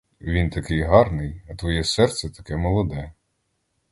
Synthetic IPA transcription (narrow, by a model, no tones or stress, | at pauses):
ʋʲint̪ɐkɪjɦɑrnɪjɐt̪ʋɔjɛsɛrt̪sɛt̪ɐ̥kɛmɔlˠɔd̪ɛ